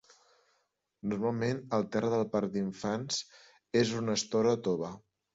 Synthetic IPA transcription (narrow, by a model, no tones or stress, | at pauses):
nuɾmalˠmenəlˠt̪ɛrəðəlˠpaɾd̪iɱfanz̥ | ezunəst̪oɾət̪oβə